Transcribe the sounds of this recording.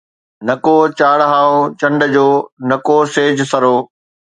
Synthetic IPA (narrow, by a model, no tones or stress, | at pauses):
nɐkoːt͡ɕaːɽɦaːot͡ɕɐ̃ɳɖəd͡ʑoːnɐkoseːd͡ʑsɐɾoː